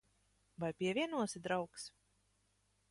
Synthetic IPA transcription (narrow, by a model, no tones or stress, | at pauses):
vajpʲiɛvʲiɛnuɔsid̪ɾawks